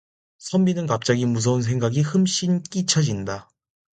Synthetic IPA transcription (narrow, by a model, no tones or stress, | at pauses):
sʰʌmbinɯnkap̚t͡ɕ͈aɡimus̬ʰʌuns̬ʰe̞ŋɡaɡihɯmɕ͈ink͈it͡ɕʰʌd͡ʑinda